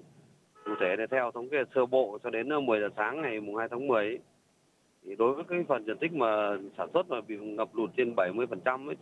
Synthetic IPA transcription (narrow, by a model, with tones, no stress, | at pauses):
kṵ˧˩t̪ʰe˧˩ɗe˧˩t̪ʰɛ˧wt̪ʰə˨˦wŋ͡mke˨˧˩t̚sɨ˧˩əɓo̰˧˨t͡ɕɔ˧ɗe˨˦nː˧mɨ˨˩əjzaː˨˩saː˨˦ŋːa˨˩jmu˨˩ŋ͡mhaː˧jt̪ʰːŋmɨ˨˩əj̪ʰ | i˨˩ɗo˨˦jvəː˨˦jkaː˨˦jfə˨˩nzə˧˩nt̪ï˦˥k̟̚maː˨˩saː˧˩nswə˦˥t̚maː˨˩ɓḭ˧˨ŋə˨˩p̚lu˧˩nt͡ɕe˧nɓa˧˩jmɨ˧əjfə˨˩nt͡ɕa˧mə˨˦j